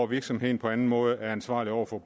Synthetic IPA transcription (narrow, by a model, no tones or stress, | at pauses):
ʋiɐɡ̥sɒ̽mhe̝ðˠn̩pʰɒ̽ænn̩mɔ̽ːð̞̩ˠəæɐænsʋɑ̈ːliɒʊ̰ɐfɒ̥̽